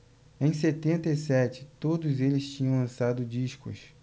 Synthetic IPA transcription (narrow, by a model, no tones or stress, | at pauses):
ẽj̃set̪ẽnt̪eisɛt͡ʃɪ̥t̪od̪ʊzelɪst͡ʃĩɲɐ̃w̃lɐ̃sad̪ʊd͡ʒiʃkʊ̰s